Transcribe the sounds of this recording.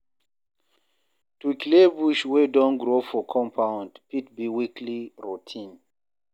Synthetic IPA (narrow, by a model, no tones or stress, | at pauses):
tuklebuʃwedɔ̃nɡɾofɔkʰɔ̃mpʰãʊ̃ndpit̚biwikʰliɹutʰĩn